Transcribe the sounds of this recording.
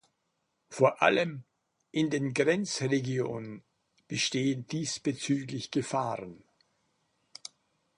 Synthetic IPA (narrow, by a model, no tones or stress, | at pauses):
foːɐʔa̰ləm | ʔɪndeːnɡʁɛnt͡sʁeɡjoːnən | b̥əʃteːəndiːsb̥ət͡syːklɪçɡ̥əfaːʁən